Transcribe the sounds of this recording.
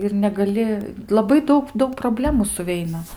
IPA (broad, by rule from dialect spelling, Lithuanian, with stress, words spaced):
ɪr nʲɛɡɐˈlʲɪ lˠɐˈbɐɪ ˈdɐʊk ˈdɐʊk proːˈbʲlʲæːmuː sʊˈʋʲɛɪnɐ